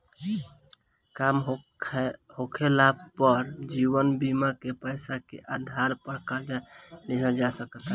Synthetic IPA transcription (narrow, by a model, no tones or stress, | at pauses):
kamʰ | hokʰelab̚pəɾd͡ʒiβənbimakepəɪsakḛʔad̪ʱaɾpəɾkaɾd͡ʒaleɦəd͡ʒasəkət̪